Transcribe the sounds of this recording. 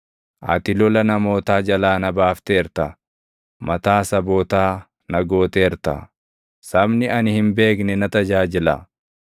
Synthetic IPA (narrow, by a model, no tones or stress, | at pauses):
ʔɐ̰t̪ɪlɔlɐnɐmo̞ːt̪aːd͡ʒɐlaːnɐbaːft̪eːɾt̪ɐ | mɐt̪aːsɐboːt̪aː | nɐɡo̞ːt̪eːɾt̪ɐ̰ | sɐbnɪɐnɪhɪmbe̞ːknɛnɐt̪ɐd͡ʒaːd͡ʒɪla̰ː